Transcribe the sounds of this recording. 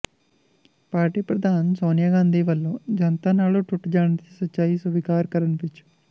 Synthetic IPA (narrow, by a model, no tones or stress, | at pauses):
paːɾʈiːpɾɐd̪ʱaːnsoːnjaːɡaːnd̪ʱiːʋɐlːoːd͡ʒɐnt̪aːnaːɭuʈʰuʈːd͡ʒaːɳt̪isɐt͡ʃaːɦisubikaːɾkɐɾɐnpit͡ʃːu̥